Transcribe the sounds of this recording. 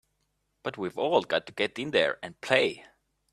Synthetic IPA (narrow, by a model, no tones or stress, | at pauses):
b̥ʌt̚wivɔlˠɡɑtʰːuɡ̥ɛɾɪ̃nðə̰˞ɨ̃n̚pʰl̥eɪ